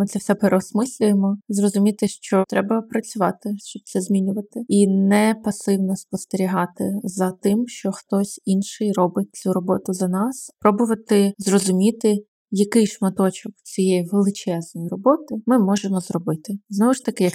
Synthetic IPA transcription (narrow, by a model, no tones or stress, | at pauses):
mɪt̪sɛwsɛpeɾɔsmɪsʲlʲʊjemɔzrɔzʊmʲit̪ɪʃt͡ʃɔt̪ɾɛbɐpɾɐt͡sʲʊʋɑt̪ɪʃt͡ʃɔb̚t̪sɛzmʲinʲʊʋɐt̪ɪinɛpɐsɪwnɔspɔst̪eɾʲiɦɑt̪ɪ̰zɐt̪ɪmʃt͡ʃɔxt̪ɔsʲinʃɪjrɔbɪt͡sʲuɾɔbɔt̪ʊzɐnɑspɾɔbʊʋɐt̪ɪzrɔzʊmʲit̪ɪ | jɐkɪjʃmɐt̪ɔt͡ʃɔkt͡sʲijɛjiʋelˠɪt͡ʃɛznɔjirɔbɔt̪ɪmɪmɔʒemɔzrɔbɪt̪ɪznɔʋʊʃt̪ɐkɪjɐk